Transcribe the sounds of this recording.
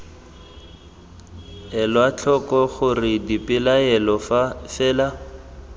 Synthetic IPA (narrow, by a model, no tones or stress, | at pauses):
ɛlwat͡ɬʰɔkɔχʊrɪdipɪlaɛlɔfafɛːla